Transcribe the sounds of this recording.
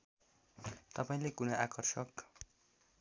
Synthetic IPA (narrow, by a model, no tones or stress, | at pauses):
t̪ʌpaĩlekunʌakʌrsʌk